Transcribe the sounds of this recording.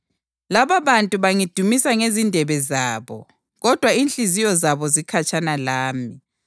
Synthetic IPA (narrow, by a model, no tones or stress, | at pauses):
laβaβantʼuβaŋid̥ʱumisaŋezindʱɛβɛzaːβɔ̰ | ɣɔd̥ʱwaiːnɬʼizijɔzaβɔzikʰat͡ʃʼanalaːmi